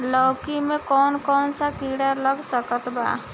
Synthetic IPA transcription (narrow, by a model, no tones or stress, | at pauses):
lɔkimẽkɔnkɔnsakiɽalɔɡsəkət̪ba̰